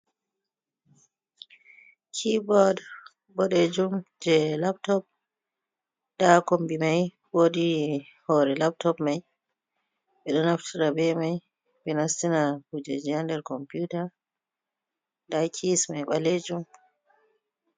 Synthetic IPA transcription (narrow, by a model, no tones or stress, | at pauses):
kʰibɔd | bɔɗed͡ʒumd͡ʒɛlap̚tɔp̚ | d̥akɔmbimaj | wodi | hɔɾɛlap̚tɔpmaj | ɓɛɗɔnaftʰiɾabɛmaj | bɛnastinahud͡ʒɛd͡ʒiandɛɾkɔmpjuta | dakʰismajɓaled͡ʒum